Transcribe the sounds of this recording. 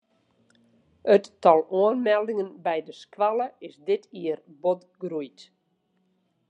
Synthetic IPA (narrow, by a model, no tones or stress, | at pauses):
ətːɔlˠuənmɛlˠdɪŋənbɛjdəskwalˠəɪsdɪtʰiərbot | ɡrujt